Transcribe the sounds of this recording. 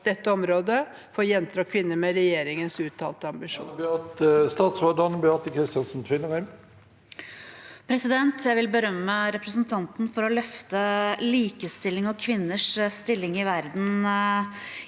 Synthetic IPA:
d̪ɛt̪ːəɔmɾoːd̪ə | fɔjɛnt̪ʰɾɑːkʰʋɪnːəmɛɾɛjeːɾɪŋənsʉːt̪ʰːɑ̰ːlt̪əɑmbɪʂṵːbɑt̪st̪ɑːt̪sʋɑɖɔnbʏɑt̪əkʰɾɪst̪ɪɑnsn̩t̪ʰʋɪləʁæm | pʰɾɛsɪd̪ɛnt̪ʰjæɪʋɪlbəɾœmːəɾɛpɾəsnt̪ʰɑnt̪n̩fɔɾɔlœft̪əliːkəst̪ɪlɪŋɔkʰʋɪnːəʂst̪ɪlːɪŋɪʋæɾd̪n̩

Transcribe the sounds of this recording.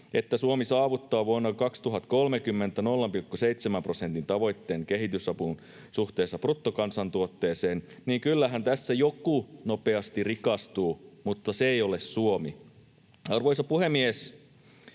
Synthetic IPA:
et̪ːæsuomisɑːʋut̪ːɑːʋuonːɑkɑkst̪uɦɑt̪kolmekymːent̪ːˑænolːɑmpilkːuseit̪semæmprosent̪int̪ɑʋo̞jt̪ːeːŋkeɦit̪ysɑpun | suht̪e̞ːsːɑprut̪ːokɑnsɑnt̪uot̪ːeːseːnniːŋkylːæɦænt̪æsːæjokunopeɑst̪irikɑst̪uːmut̪ːɑsejolessuomi | ɑrʋojsɑpuhemies

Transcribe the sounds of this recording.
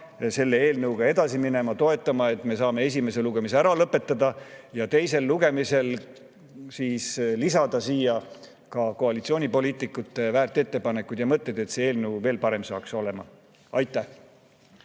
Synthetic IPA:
se̞lːee̞ːlnɤwɡ̥ɑe̞d̪ɑsimine̞mɑt̪o̞e̞t̪ˑːɑmɑe̞t̪ːˑme̞sɑːme̞e̞s̬ʲime̞seluɡ̥e̞miseæɾɑlɤpːˑe̞t̪ːˑɑd̪ɑjɑt̪e̞jse̞lːuɡ̥e̞mise̞l | siːslisɑd̪̥ɑsiːjɑ | kɑko̞ɑlit̪sio̞ːnʲipo̞liːt̪ːˑikːˑut̪ːˑe̞væːrt̪ːˑe̞t̪ːe̞pɑne̞kːˑud̪̥jɑmɤt̪ˑːe̞d̪̥e̞t̪seːe̞ːlnəwve̞ːlpɑɾe̞msɑ̰ːkso̞le̞mɑ̰ | ɑjt̪ːˑæh

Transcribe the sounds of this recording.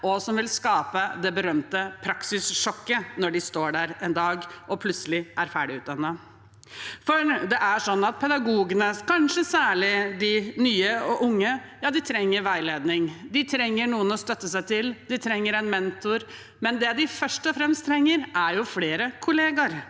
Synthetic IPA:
ʔɔsɔmʋɪlskɑːpəd̪ɛbəɾœmt̪əpʰɾɑksɪsʂɔkːənɔɖɪst̪oːɖæɾɛnd̪ɑːɡʔɔpʰlʉt̪səlɪʔæɾfæːɖɪʉːt̪̚d̪ɑnːə | fɔɾd̪ɛʔæʂɔnːɑt̪̚pʰɛd̪ɑɡuːɡənəkɑnʂəsæːɭɪd̪ɪnyːəɔʔʊŋːəjɑːd̪ɪt̪ʰɾɛŋːəɾʋæɪleːd̪nɪŋd̪ɪt̪ʰɾɛŋːəɳuːənɔst̪œt̪ːəsæɪt̪ʰɪld̪ɪt̪ʰɾɛŋːəɾɛnmɛnt̪ʊɾ | mɛnd̪ɛd̪ɪfœʂʈɔfɾɛmst̪ʰɾɛŋːəɾæɾjʊfleːɾəkʰʊleːɡɑɾ

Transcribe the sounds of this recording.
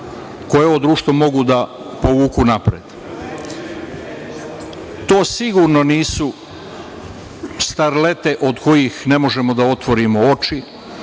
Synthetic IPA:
ko̞jeood̪ɾuːʃt̪ʋomo̞ɡud̪a | po̞ʋuːkunapɾed̪̥ | t̪o̞ːsiɡuɾno̞niːsu | st̪aɾle̞t̪e̞ʔod̪ko̞jixne̞mo̞ʒe̞mo̞d̪ao̞t̪ʋo̞ɾimo̞o̞t͡ʃi

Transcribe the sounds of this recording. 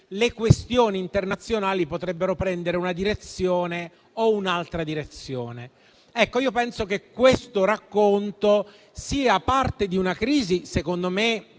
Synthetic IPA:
lekwest̪joːniːnt̪ernat̪sːjonaːlipot̪ɾɛbːeɾopɾɛnd̪eɾeunad̪iɾet̪sːjoːne | ounalt̪ɾad̪iɾet̪sjoːne | ɛkːoiːopɛnsok̟ekːwest̪oɾakːont̪o | siːapart̪ed̪iunakɾiːzisekond̪ome

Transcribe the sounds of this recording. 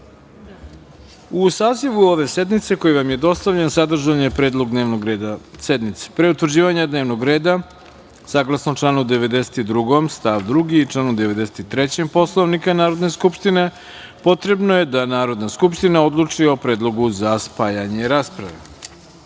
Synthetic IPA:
usaːziʋuo̞ʋe̞se̞d̪nit̪se̞ko̞jiʋamjed̪o̞st̪aʋʎensad̪r̩ʒanjepɾe̞ːd̪lˠo̞ɡd̪neːʋnoɡɾeːd̪ased̪nit̪se̥pɾe̞ut̪ʋɾd͡ʑiːʋaɲad̪neʋno̞ɡɾe̞ːd̪a | saːɡlˠasnot͡ʂlˠaːnud̪eʋe̞d̪ese̥t̪id̪ɾuɡo̞mst̪aʋd̪ɾuɡiːt͡ʂlˠaːnud̪eʋe̞d̪ese̥t̪it̪ɾet͡ɕempo̞slˠoʋnikanaːɾo̞d̪ne̞skupʃt̪ine̞ | po̞t̪ɾe̞bno̞je̞d̪anaːɾo̞d̪naskupʃt̪inao̞d̪lˠut͡ʂio̞pɾe̞ːd̪lˠo̞ɡuzaspaːjaɲe̞ɾaːspɾaʋe̞̰

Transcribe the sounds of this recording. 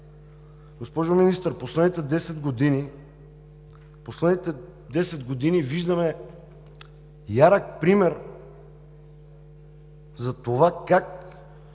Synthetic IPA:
ɡospɔʒominist̪əɾposlɛd̪nit̪ɛd̪ɛsɛd̪ɡod̪ini | poslɛd̪nit̪ɛ | d̪ɛsɛd̪ɡod̪iniviʒd̪ɐmɛ | jaɾək̚pɾimɛɾ | zɐt̪ovakak

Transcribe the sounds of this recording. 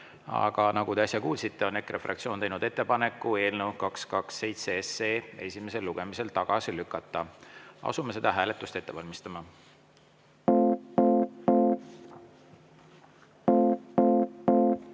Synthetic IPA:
ɑ̰ɡ̥ɑnɑɡut̪e̞ɑsʲjɑkuːlsit̪ˑːe̞o̞ne̞kːrefrʔɑ̰kt̪sio̞ːnt̪ejnud̪̥e̞t̪ːe̞pɑne̞kːˑue̞ːlnewkɑkskɑkse̞jt̪seese̞ːe̞sʲime̞se̞lːuɡ̥e̞mise̞lt̪ɑɡ̥ɑsilykːˑɑt̪ːˑɑɑ̰sume̞s̬e̞d̪̥ɑɦæːle̞t̪ːˑust̪e̞t̪ːe̞vɑlʲmist̪ɑmɑ

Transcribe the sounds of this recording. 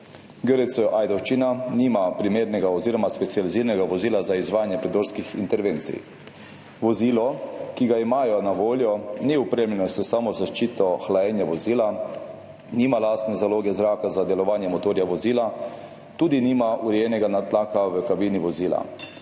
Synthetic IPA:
ɡəɾɛsɔʔaːjd̪ɔwʃt͡ʃinaniːmapɾimeːɾnɛɡaɔziːɾɔmaspɛt̪sijaliziːɾnɛɡaʋɔziːlazaizʋaːjanjɛpɾɛd̪oːɾskixḭnt̪ɛɾʋeːnt̪sḭj | ʋɔziːlɔkiɡaimaːjɔnaʋoːljɔniupɾemlɛnɔsɛsaːmɔzaʃt͡ʃiːt̪ɔxlajɛnjaʋɔziːla | niːmalaːst̪nɛzaloːɡɛzɾaːkazad̪ɛlɔʋaːnjɛmɔt̪oːɾjaʋɔziːla | t̪uːd̪iniːmaʔuɾɛjɛːnɛɡanat̪laːkaʋəkabiːniʋɔziːla̰

